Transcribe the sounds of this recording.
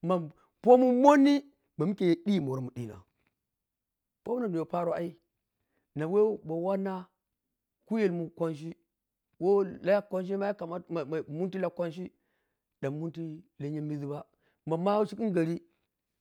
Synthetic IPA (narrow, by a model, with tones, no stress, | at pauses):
ma˨ | po˦mu˦mo˦ni˦ | ba˨mu˦ke˨je˨ɗi˦˨mo˨ɾa˦mu˨ɗi˦na̰˨ | po˦mu˦na˨nu˨jo˨pa˦ɾo˦a˦i˦ | na˨we˦bo˨wa˦na˦ | ku˦je˨lmu˨kʷa˦nʃ̬i˦ | wo˦la˦ja˦kʷa˦nʃ̬i˦ma˦ja˦ka˨ma˦˨mu˦nti˦la˦kʷa˦nʃ̬i˦ | da˨mu˦nti˦la˦ɲa˦mi˦zi˦ba˦ | ma˨ma˦si˦ki˦ɡa˨ɾi˦